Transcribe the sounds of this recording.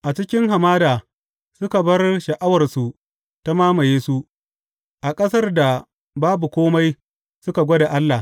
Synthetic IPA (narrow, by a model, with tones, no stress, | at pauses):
ʔa˨t͡ʃɪ˦kʲɪ˦ŋɦa˨maː˦daː˨ | sʊ˦ka˨bɐ˦rʃɐ˨ʔa˦wɐ˨rsu˨ | ta˦maː˦ma˨jeː˦su˦ | ʔa˨kʼɐ˦sɐ˦rda˨ | baː˦bu˨kʷoː˦ma˦j | ssʊ˦ka˨ɡʷɔ˦da˨ʔa˦lːa˨